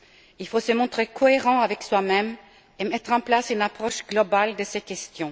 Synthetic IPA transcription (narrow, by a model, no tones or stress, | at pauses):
ilfosəmɔ̃t̪χekʰɔeʁɑ̃avɛkswamɛm | emɛt̪χɑ̃plasynapχɔʃɡlɔbald̪əsekʲɛst̪jɔ̃